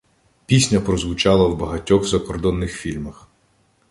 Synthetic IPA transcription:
pʲisʲnʲɐpɾɔzʋʊt͡ʃɑlˠɐwbɐɦɐtʲɔɣzɐkɔrd̪ɔnːɪxfʲilʲmɐx

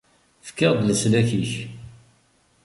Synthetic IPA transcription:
fkːɑʁd̪ləslæçiç

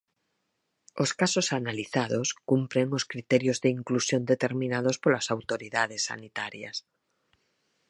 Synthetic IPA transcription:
oskasosanaliθað̞oskumpɾeŋoskɾit̪eɾjozðeiŋklusjo̞nd̪et̪e̞ɾmĩnað̞ospolasawt̪oɾiðaðesːa̰nit̪aɾja̰s

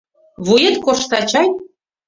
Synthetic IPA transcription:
βujet̪koʃt̪ɑt͡ɕɑj̪

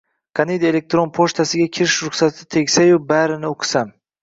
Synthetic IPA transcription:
qʰɑnejd̪ele̞k̚t̪ɾonpʰoʃt̪ʰasɪɡʲakʲʰɪɾɪʃɾʊχsat̪ʰɪ̥t̪ʰe̞ɡʲsajʊbaɾɪnɪoqʰɨ̥sam

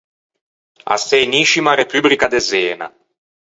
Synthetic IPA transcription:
a̰sejniʃimaɾepyblikad̪ezɛːna̰

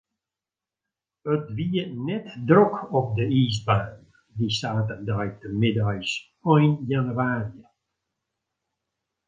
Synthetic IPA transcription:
ətʋiənɛtdrokɔp̚dəisbaːn | disaːtədœjtəmɪdœjs | ɔjnjanyaːriə

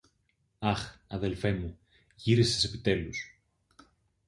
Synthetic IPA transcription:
ɐxɐðe̞lfe̞mu | ʝiɾisese̞pit̪e̞lus

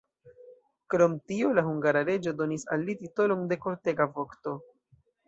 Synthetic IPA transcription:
kɾo̞mtiolahuŋɡaɾaɾe̞d͡ʒo̞do̞nisa̰lːitito̞lo̞nde̞ko̞ɾte̞ɡavo̞kto̞

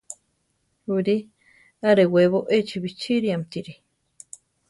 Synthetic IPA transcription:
uɾi | aɾeweβoʔet͡ʃiβit͡ʃiɾiamt̪iɾi

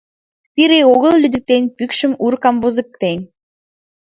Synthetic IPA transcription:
piɾeoɣə̆lˠlyd̪ɘ̆k̚t̪enʲpykʃɘ̆muɾkɑmbozɤ̆kt̪enʲ

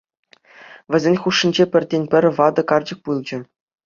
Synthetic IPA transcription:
ʋʲɘ̆zʲenʲχuʂːɘ̆nʲd͡ʑepʲɘ̆rʲdʲenʲpʲɘ̆rʲʋɑd̪ɤ̆kɑrd͡ʑɤ̆k̚pulˠd͡ʑɘ̆

